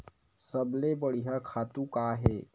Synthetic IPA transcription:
səblebəɽiɦakʰaːt̪ũkaːɦɛː

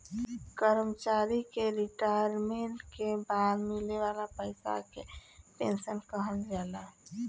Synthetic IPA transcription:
kəɾəmt͡ʃaːɾikeɾiʈaɾmẽɳʈkebaːd̪mɪleʋaːlapəɪsa̰kepḛ̃nsənkəɦəlzjaːd̪a

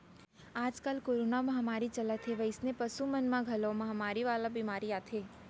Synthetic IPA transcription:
ad͡ʒkəlkoɾonamaɦamaɾit͡ʃəlat̪ʰeʋəisnepəsumənmãɡʱəlomaɦamaɾiʋalabimaɾiat̪ʰe

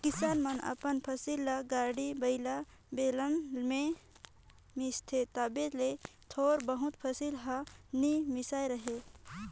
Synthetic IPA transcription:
kɪsaːnmɐnɐ̰pənpʰəsilːaɡaːɽibəɪla | beːləmlmẽ | mist̪ʰet̪aːbelet̪ʰoːɾbəɦʊt̪pʰɐsilɦanimɪsaːjɾəɦe

